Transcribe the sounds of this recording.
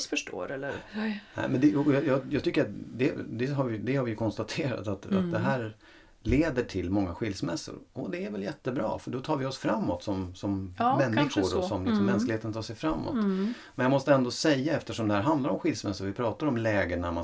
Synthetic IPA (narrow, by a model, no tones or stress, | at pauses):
fœʂʈo̰ːɾɛlːəɾnɛ̰ɪmɛnd̪ɛjɑjɑːjɑːɡt̪ʏkːəɾat̪d̪ɛd̪ɛɦaɾvɪd̪ɛhaɾvɪjɵkʰɔnst̪at̪ʰeːɾa̰t̪at̪a̰t̪d̪ɛɦæːɾ | leːd̪əʈʰɪlmɔŋːaɧɪlsmɛsːʊ̰ɾɔd̪ɛæɾvɛljɛt̪ːəbɾɑ̰ːfœɖɔt̪ʰɑːɾvɪɔsfɾamːɔt̪sɔmsɔmːɛnːɪɧʊɾɔsɔmlɪksɔmːɛnsklɪheːt̪ənt̪ʰɑːʂɛjfɾamːɔ̰t̪ | mɛnjamɔst̪əɛnd̪osɛjːaɛft̪əʂɔmd̪ɛhæɾɦand̪laɾɔmɧɪlsmɛsːʊɾvɪpʰɾɑːt̪aɾɔmlɛːɡənama